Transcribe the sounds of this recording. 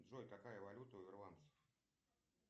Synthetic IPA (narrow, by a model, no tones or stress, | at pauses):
d̪ʐojkɐkajəvɐlʲut̪əʊvʲɪrlˠant̪sə̥f